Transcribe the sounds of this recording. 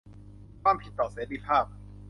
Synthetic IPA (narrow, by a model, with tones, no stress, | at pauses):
kʰwaː˥˨mpʰi˨˩t̪ːɔː˨˩seː˩˦t̪i˧˩pʰaː˥˩p̚